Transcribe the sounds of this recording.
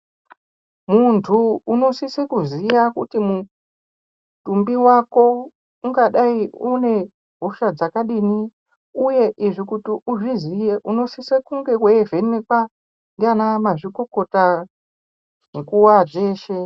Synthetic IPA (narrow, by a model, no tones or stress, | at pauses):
muntʰuːno̞sisekuzijakutimu | tumbiwako̞ | uŋɡaɗaiune̞ | ɦuʃad͡zakaɗini | uje̞ʔiʐikutiʔuʐizijeʔuno̞sisekuŋɡe̞kweveneka | ndianamaʐiko̞ko̞ta | nekuwad͡ʒe̞ːʃe̞